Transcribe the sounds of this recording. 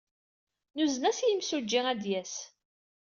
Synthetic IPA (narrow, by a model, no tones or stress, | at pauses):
nuznæsjimsud͡ʒːɪʁæd̪jæs